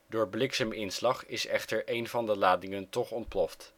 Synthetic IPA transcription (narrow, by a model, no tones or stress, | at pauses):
dʊːɹblɪksaːmɪnslɑχɪsɛχtəɹʔejnvɑndəlaːdɪŋəntɔχɔnt̚plɔft